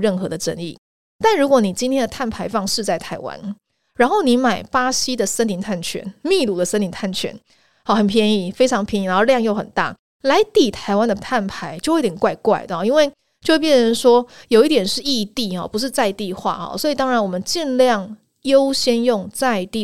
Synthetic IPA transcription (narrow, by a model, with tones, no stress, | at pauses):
ɻə˥˩nxɤ˧˥d̪ə˧ʈ͡ʂə̰˥nḭ˥˩ | t̪a˥˩nɻu˧˥kwɔ˧˥ni˨˩t͡ɕi˥ntʰjɛ˥nd̪ə˨t̪ʰa˥˩npʰa˧˥ɪfɑ˥˧ŋʂɻ̩˥˧t͡sa˥˩ɪt̪ʰa˧˥ɪwa̰˥n | ɻa˧˥nxo˥˩ʊni˧˥ma˨˩ɪpa˥ɕi˥d̪ə˨sə˥ni˧˥nt̪ʰa˥˩nt͡ɕʰɥɛ̰˧˥nmi˥˧lu˧˥d̪ə˨sə˥ni˧˥nt̪ʰa˥˩nt͡ɕʰɥɛ̰˧˥˦n | xɑ˧xə˨˩npʰjɛ˥˧ni˥˩fe˥ɪʈ͡ʂʰɑ˧˥ŋpʰji˧˥ni˧˩na˧˦˥o˥˧ljɑ˥˧ŋjo˥˩ʊxə˨˩nt̪a̰˥˩ | la˧˥ɪt̪i˨˩t̪ʰa˧˥ɪwa˥nd̪ə˨t̪ʰa˥˩npʰa˧˥ɪt͡ɕjo˥˧xt̪ʰʲjɛ˨˩nkwa˥˧ɪkwa˥˩ɪd̪ə˨˩ɔ˨˩˦i˥nwe˥˧ɪ | t͡ɕjo˥˧ʊwpjɛ˥˩nɻə˧˦nʂwɔ˥jo˨˩ʊi˥˩t̪̬jɛ˨˩nʂɻ̩˥˧i˥˧t̪i˥˩xɐ̰˨˩pu˧˥ʂ̬ɻ̩˥˧t͡sa˥˧ɪt̪i˥˧xwa̰˥˩ɔ̰˨˩swɔ˧˥i˨˩t̪ɑ˥ŋɻa˧˥nwɔ˨˩mə˦nt͡ɕi˥˧nljɑ˥˩ŋ | jo˥ʊɕjɛ˥njʊ˥˧ŋt͡sa˥˧ɪt̪i˥˩